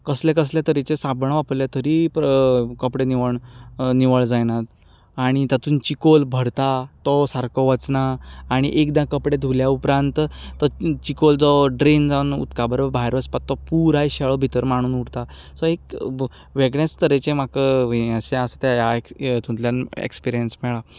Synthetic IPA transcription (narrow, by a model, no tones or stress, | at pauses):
kəslẽkəs̬ljat̪əɾit͡ɕẽsabɳaʋapljat̪əɾipkəpɽeniʋəɳniʋəɭd͡zajnat̪ | aɽ̃it̪at̪uːnt͡ɕikolbʱəɽt̪at̪ɔsaɾkʰɔʋət͡snaːɽ̃ḭʔekd̪ãkəpɽed̪ʱuljaupɾãnt̪t̪ɔt͡ɕikold͡zɔɖɾind͡zanṵt̪kabəɾbʱajɾəspat̪ːɔpuɾajɕɛɭɔbʱit̪əɾmaɽ̃uːnuɽt̪a | sɔek | ʋeɡɳẽst̪əɾet͡ɕẽmakəaɕẽasat̪ajaet̪ũt̪ljanḛkspiɾijənsmɛɭa